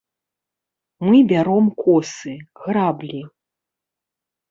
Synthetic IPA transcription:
mɨbʲaɾɔmkɔsɨɣrablʲi

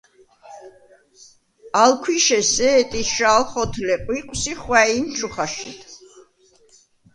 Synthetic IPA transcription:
alkʰwiʃɛsɛːt̪ʼiʃalχɔt̪ʰlɛqʼwiqʼwsiχwɛint͡ʃʰuχaʃḭt̪ʰ

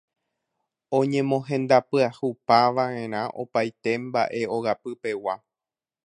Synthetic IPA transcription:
õ̞ɲẽ̞mõ̞ɦẽ̞nd̪apɨahupaʋãẽ̞ɾ̃ãʔo̞̰pajt̪e̞mba̰ʔe̞o̞ɣapɨpe̞wa

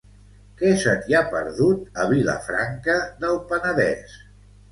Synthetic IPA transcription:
kɛsət̪iapə̰ɾðut̪əβilə̰fɾaŋkəðəlˠpənəðɛ̰s

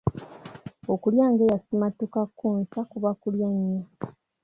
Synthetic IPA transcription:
okuljaːŋɡejasimatukakːuːnsakuβakuljaɲːa

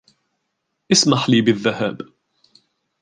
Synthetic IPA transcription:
ʔɪsmaħliːbɪðːaha̰ːb

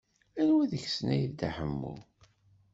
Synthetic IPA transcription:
ænwæðəçsənæjiðd̪aħəmːṵ

